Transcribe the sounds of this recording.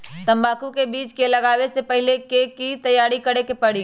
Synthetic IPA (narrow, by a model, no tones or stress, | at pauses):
t̪ɐ̃mbaːkũkebiːt͡ʃkelɐɡaːʋesepɐɦɪlekekit̪ɐjaːɾikɐɽekepɐɽiː